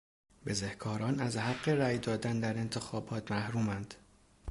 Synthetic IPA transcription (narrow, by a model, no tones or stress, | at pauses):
be̞zehkʰɒːɾɒːnæzhæɢːe̞ɾæːjd̪ɒːd̪ænd̪æɾe̞nt̪ʰe̞xɒːbɒːt̪ʰmæhɾuːmænd̪̥